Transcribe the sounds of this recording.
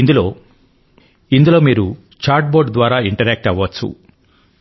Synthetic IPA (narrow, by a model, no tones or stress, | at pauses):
ind̪uloː | ind̪ulo̞ːmiːɾu | t͡ʃaːɾʈ̚bo̞ːɾɖd̪ʋaːɾaːiɳʈɐɾɛːk̚ʈɐʋːɐtt͡sːṵ